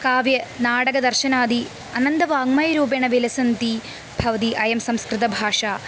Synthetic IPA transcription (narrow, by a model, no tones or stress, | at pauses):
kaːʋjɐnaːɽɐɡɐd̪ɐrɕɐnaːd̪ʱi | ɐnɐnd̪ɐʋaːŋmajɐɾuːbeɳɐʋilɐsɐnt̪i | bʱɐʋɐt̪iʔɐjɐmsɐmskrɨt̪ɐbʱaːʂaː